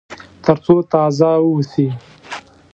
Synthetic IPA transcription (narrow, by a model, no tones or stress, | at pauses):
t̪əɾt͡sot̪ɑzawusi